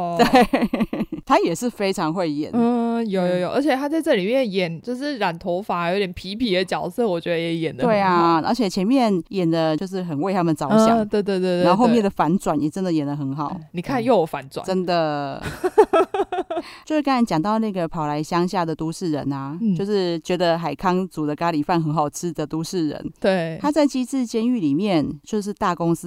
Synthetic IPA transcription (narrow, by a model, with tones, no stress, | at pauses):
t̪we˥˩ɪ | t̪ʰa˥jɛ˨˩ʂɻ̩˥˩˨fe˥ɪʈ͡ʂʰɑ˧˥ŋxwe˥˩ɪjɛ̰˨˩˦njo˨˩ʊjo˨˧ʊjo˨˩ʔə˞˧˥t͡ɕʰɛ˨˩t̪ʰa˥t͡sa˥˧ɪʈ͡ʂɤ˥˩li˨˩mjɛ˥˨njɛ˨˩nt͡ɕjo˥˧ʊʂɻ̩˥˩ɻa˨˩nt̪ʰo˧˥ʊfa˧˥jo˧˥ʊt̪jɛ˨˩npʰi˧˥pʰi˨˥d̪ə˦t͡ɕjɑ˨˩ʊsɤ˥˨wɔ˨˩t͡ɕɥɛ˧˦˥d̪ə˧jɛ˨˧˥jɛ˨˩nd̪ət̪we˥˧˩ɪa˩ə̰˧˥t͡ɕʰjɛ˨˩t͡ɕʰjɛ˧˥nmjɛ˥˩njɛ˨˩nd̪ə˦t͡ɕjo˥˧ʊʂ̬ɻ̩˥˩xə˨˩nwe˥˩ɪt̪ʰa˥mə˨nt͡sɑ˧˦ɕjɑ˨˦t̪we˥˧ɪt̪we˥˧t̪we˥˧˨o˥˧xo˥˧mjd̪ə˩fa˧˥nt͡swa˨˩njɛ˨˩ʈ͡ʂə˦˥nd̪ə˨jɛ˨˩nd̪ə˦xə˧˥nxɑ˨˩˦ʊni˨˩kʰa˥˨njo˥˩ʊjo˨˩fa˧˦nt͡swa̰˨˦ʈ͡ʂə˦˥nd̪ə˨ | t͡ɕjo˥˧ʊʂ̩˥ka˥n˧˥nt͡ɕjɑ˨˩ŋt̪ɑ˥˧ʊna˥˩ɡə˩pʰɑ˨˩ʊla˧˦ɪɕjɑ˥ŋɕja˥˩d̪ə˩t̪u˦ʂɻ̩˥˩ɻə̰˧˥na˨t͡ɕo˥˧ʊʂɻ̩˥˩t͡ɕɥɛ˧˥d̪ə˧xa˨˩ɪkʰɑ˥ŋt͡su˨˩d̪ə˦ka˥li˨˩fa˥˩nxə˧˥nxɑ˨˩ʊʈ͡ʂ̩ʰ˥d̪ə˨t̪u˦ʂɻ̩˥˩ɻə̰˧˦nt̪we˥˩ɪt̪ʰa˥t͡sa˥˩ɪt͡ɕi˥t͡sɹ̩˥˨t͡ɕjɛ˥ny˥˨li˨˩mjɛ˥˩nt͡ɕjo˥˧ʊʂ̬ɻ̩˥˧t̪a˥˩ko˥ŋs̩˥